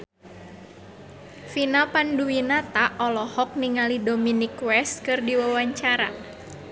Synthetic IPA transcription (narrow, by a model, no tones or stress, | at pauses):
finapanduwinat̪aʔɔlɔhɔk̚niŋalidominikwɛst̪̚kɨrdiwawaɲt͡ʃaɾa̰